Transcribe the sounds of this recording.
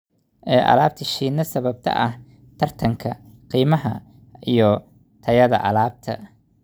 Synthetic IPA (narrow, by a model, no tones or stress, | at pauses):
ʔɛːʔɐ̰laːb̚t̪ʰɐʃiːnːɐsɐβɐb̚t̪ʰɐ̰ʔɐh | t̪ʰɐrt̪ʰɐŋkʰɐ | qiːmɐɦɐ | ʔijɞ | t̪ʰɐjɐðɐ̰ʔɐ̰laːb̚t̪ʰɐ